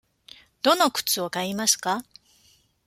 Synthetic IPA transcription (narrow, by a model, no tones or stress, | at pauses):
d̪̥o̞no̞kɯ̟̥t͡sɨo̞kaimasɨ̥ka